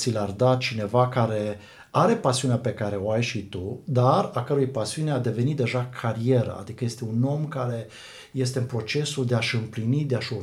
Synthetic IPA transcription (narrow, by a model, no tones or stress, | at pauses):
silard̪at͡ʃine̞vakaɾe̞ | aɾe̞pasiuneape̞kaɾe̞o̞ajʃit̪ud̪aɾakəɾojpasiunead̪e̞ve̞nit̪̚d̪e̞ʒakʰaɾije̞ɾə̰a̰d̪ikəje̞st̪e̞uno̞mkaɾe̞ | je̞st̪e̞ɨnpɾo̞t͡ʃe̞suld̪e̞aʃɨmplinid̪e̞aʃo